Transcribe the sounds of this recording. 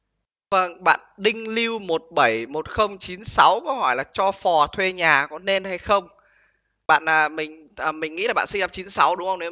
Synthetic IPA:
və˧˩ŋɓa̰ː˧˨nɗï˧ŋ̟li˧wmo˨˩t̚ɓə˧˩jmo˨˩t̚xə˧wŋ͡mt͡ɕi˨˦nsa˨˦wkɔ˨˦hɔ˧˩jlaː˨˩t͡ɕɔ˧fɔ˨˩t̪ʰwe˧ɲaː˨˩kɔ˨˦ne˧nha˧jxə˧wŋ͡m | ɓa̰ː˧˨nʔaː˨˩mï˨˩ŋ̟ | ʔəː˨˩mï˨˩ŋ̟ːḭ˧˥laː˨˩ɓa̰ː˧˨si˧ŋɗa˧˩t͡ɕi˨˦nsa˨˦wɗʊ˨˦ŋ͡mhə˧wŋ͡mne˨˦

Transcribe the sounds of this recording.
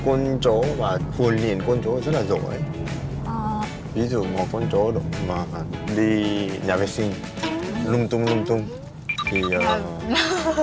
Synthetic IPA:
kə˧nt͡ɕo˨˦vaː˨˩hʰu˨˩ənlḭ˧˨ənkwə˧nt͡ɕo˨˦zə˦˥t̚laː˨˩zo̰˧˨ʔə˨˦j | vi˨˦zṵ˧˨ŋɔ˨˩kə˧nt͡ɕo˨˦ɗɨ̰˧˨ŋ͡mmaː˨˩˨ɗi˧ɲaː˨˩vɛ˨˧˦sï˧ŋ | lʊ˧ŋ͡mt̪ʊ˧ŋ͡mlʊ˧ŋ͡mt̪ʊ˧ŋ͡m | t̪ʰi˨˩ʔəː˨˩

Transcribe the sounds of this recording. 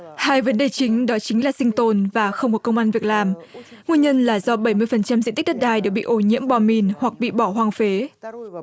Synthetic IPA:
haː˧jvə˨˦nɗe˨˩t͡ɕï˨˦ŋ̟ɗɔ˨˦t͡ɕï˨˦ŋ̟laː˨˩sï˧ŋ̟t̪o˧˩nvaː˨˩xə˧wŋ͡mkkə˧wŋ͡mʔaː˧nvi˨˩ək̚laː˨˩mŋu˧əɲə˧nlaː˨˩zɔ˧ɓə˧˩jmɨ˧əjfə˨˩nt͡ɕa˧mzḭ˧˨t̪i˦˥ɗə˦˥t̚ɗaː˧˩jɗɨ˨˩ək̚ɓḭ˧˨ʔo˧˩ɲḭ˧˥əmɓɔ˧˩mi˨˩nhwa˨˩k̚ɓḭ˧˨ɓɔ˧˩ɦwaː˧ŋfe˨˦

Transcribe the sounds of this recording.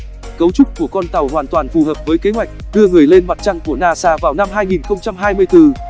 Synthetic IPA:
kə˨˦wt͡ɕʊ˦˥k͡p̚ku˧˩əkɔ˧nt̪a˨˩whwaː˨˩nt̪waː˨˩nfu˨˩ɦəː˨˩p̚vəː˨˦jke˨˦ɦwa˨˩jk̚ɗɨ˧əŋɨ˨˩əjle˧nma˨˩t̚t͡ɕa˧ŋku˧˩ənaː˧saː˧vaː˨˩wna˧mɦaː˧jŋi˨˩nxə˧wŋ͡mt͡ɕa˧mɦaː˧jmɨ˧əjt̪ɨ˧˩

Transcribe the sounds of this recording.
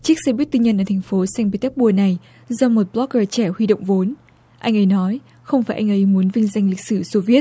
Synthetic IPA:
t͡ɕɨ˦˥k̚sɛ˧˩ɓi˦˥t̪i˧ɲə˧nʔəː˧˩t̪ʰŋ̟fo˨˦sa˧ŋpi˧˩t̪ɛ˦˥k̚ɓu˧˩əna˨˩j | zɔ˧mo˨˩t̚ɓlɔ˦˥k̚əː˧˩t͡ɕɛ˧˩hwi˧ɗo̰˧˨wŋ͡mvo˨˦n | ʔa˧jŋ̟ʔə˨˦jnɔ˨˦j | xə˧wŋ͡mfaː˧˩jʔa˧jŋ̟ʔə˨˦jmu˨˦ənvï˧ŋ̟za˧jŋ̟li˨k̟̚sɨ˧˩so˧vi˦˥ət̚

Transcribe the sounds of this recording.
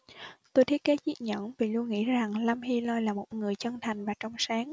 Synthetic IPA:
t̪o˧jt̪ʰi˦˥kaː˨˦zḭ˧˥t̚ɲə̰˧˥nvi˨˩lu˧ənŋḭ˧˥za˨˩ŋla˧mhi˧lɔ˧jlaː˨˩mo˨˩t̚ŋɨ˨˩əjt͡ɕə˧nt̪ʰa˨˩jŋ̟vaː˨˩t͡ɕɔ˧wŋ͡msaː˨˦ŋ

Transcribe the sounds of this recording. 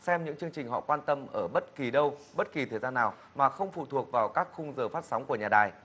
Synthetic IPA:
sɛ˧mɲɨ̰˧˥ŋt͡ɕɨ˧əŋt͡ɕï˨˩ŋ̟ɦɔ̰˧˨kwaː˧nt̪ə˧mʔəː˧˩ɓə˦˥t̚ki˨˩ɗə˧wɓə˦˥t̚ki˨˩t̪ʰəː˨˩jzaː˧nːaː˨˩w | maː˨˩xə˧wŋ͡mfṵ˧˨t̪ʰu˨˩ək̚vaː˨˩wkaː˦˥k̚xʊ˧ŋ͡mzəː˨˩faː˦˥t̚sa˨˦wŋ͡mku˧˩əɲaː˨˩ɗaː˨˩j

